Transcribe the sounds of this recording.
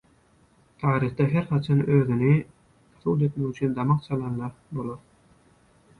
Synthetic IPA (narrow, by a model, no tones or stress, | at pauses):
t̪ʰɑːɾiχd̪ɑɦeɾχɑt͡ʃʰɑnøːðyni | ɑθud̪e̞t̪meɣyt͡ʃʰyːnd̪ɑmɑqt͡ʃʰɑlˠɑnlˠɑbolˠoɾ